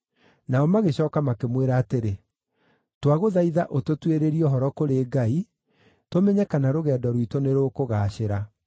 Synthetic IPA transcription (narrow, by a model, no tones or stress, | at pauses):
naɔmaɣeɕɔːkamakemweɾaːteɾe | twaɣoðaiðaʔototweɾeɾiɔɦɔɾɔkoɾeːɡai | tomɛɲɛkanaɾoɣɛːdɔɾwitoneɾoːkoɣaːɕeɾa